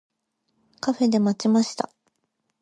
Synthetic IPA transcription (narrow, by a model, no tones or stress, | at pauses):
kaɸe̞d̪e̞mat͡ɕimaɕi̥t̪a